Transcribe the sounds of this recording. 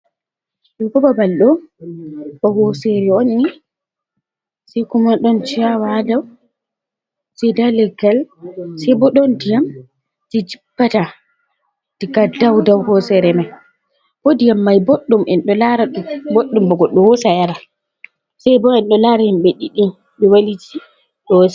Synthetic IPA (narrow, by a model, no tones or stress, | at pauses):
ɗɛbɔbabalɗɔ | ɓɔhɔsɛɾɛonːi | sɛjkumanɗɔnt͡ʃijawadaw | sɛjdalɛɡalsajbɔɗɔndijam | tid͡ʒibːata | d̥ɛɡadawdawhɔsɛɾɛmaj | wodijamːajboɗːumʔɛnɗɔlaɾaboɗːumbɔɡɔɗɔwɔsajaɾa | sajbɔɛnɗɔlaɾajamɓɛɗiɗin | ɓɛwaliti | ɗɔs